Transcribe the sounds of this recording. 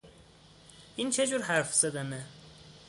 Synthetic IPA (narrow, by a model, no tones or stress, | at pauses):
int͡ʃʰed͡ʒuɾhæɾfz̥æd̪æne